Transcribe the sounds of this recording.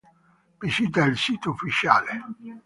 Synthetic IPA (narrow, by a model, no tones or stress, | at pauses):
bisit̪̬ailsiːt̪oufːit͡ʃa̰ːle